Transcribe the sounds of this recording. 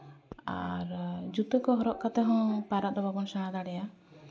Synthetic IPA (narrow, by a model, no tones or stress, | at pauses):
a̰ɾd͡ʒut̪ɔkɔɦɔɾɔʔkat̪ɛɦɔ̃paɾaʔ̚d̪ɔbabɔnsañad̪aɽɛja